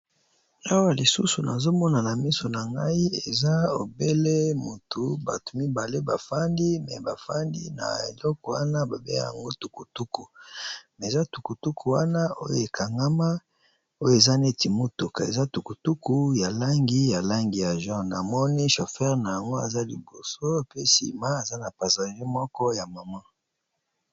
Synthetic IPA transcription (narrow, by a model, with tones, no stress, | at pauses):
a˦wa˨li˨sṵ˦su˨na̰˨zo˦mɔ˦na˨na˨mi˦so˨na˨ŋɡa˦i˦e˨za˦o˨be˦le˦mo˨tʰu˨ba̰˨tu̥˨mi˦ba˨le˦ba˨fa˦ndi˦mɛ˨ba˨fa˦ndḭ˦na̰˨ḛ˨lɔ˦kɔ˨wa̰˦na˦ba˨be˦ja̰˨ŋɡo˦tu˨ku˨tu˦ku˨me˨za˦tu˨ku˨tu˦kʰu˨wa˦na˦o˦jo˨e˨kʰa˨ŋɡa˦ma˦ | o˦jo˨e˨za˦ne˦ti˨mo˦tu˨ka˨e˨za˦tu˨ku˨tu˦ku˨ja˨la˦ŋɡi˦ja˨la˦ŋɡi˨ja˨ʒɔ̃˦na˨mɔ˦ni˦ʃo˨fɛ˦ʁna˨ja˨ŋɡo˦a˨za˦li˨bo˨so˦pe˦sḭ˨ma˦a˨za˦na˨pa˨sa˨ʒe˦mɔ˦kɔ˦ja˨ma˨ma˦